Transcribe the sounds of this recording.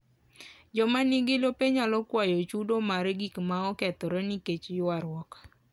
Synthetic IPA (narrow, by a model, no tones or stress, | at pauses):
d͡ʒɔmanɪɡɪlopeɲalɔkwajot͡ʃudomaɾɡikmaɔkɛt̪ɔɾeniket͡ʃjʊaɾwɔkḁ